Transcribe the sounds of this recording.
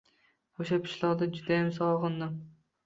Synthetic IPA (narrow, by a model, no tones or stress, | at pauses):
oʃapʰɪ̥ʃlˠɒʁd̪ad͡ʒʊd̪ajamsɒlˠʁɨnd̪ɪm